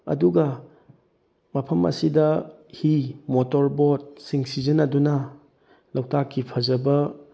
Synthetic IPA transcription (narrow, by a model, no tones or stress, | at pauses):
ɐ̰duɡɐ | mɐpʰɐmɐ̰sidɐhimotoɾbot̚siŋsizɐnɐdunɐ | lɐwtakːipʰɐzɐbɐ